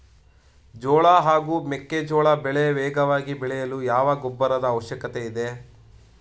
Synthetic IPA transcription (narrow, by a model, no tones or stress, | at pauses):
d͡ʒoːɭɐɦaːɡuːmekːed͡ʒɔːɭɐbɛɭeʋɛːɡɐʋaːɡibɛɭɛjɐlujaːʋɐɡɔbːɐɾɐd̪ɐːʋɐʃjɐkɐt̪eid̪e